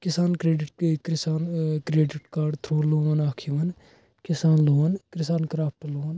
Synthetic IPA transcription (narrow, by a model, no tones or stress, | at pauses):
kɪsaːnkɾeːɖɪʈkɾɪsaːnkɾeːɖɪʈkaːɾɖt̪ʰɾoːloːʋɐnaːkʰiʋɐn | kɪsaːnloːnkɾɪsaːnkɾaːp̚ʈloːn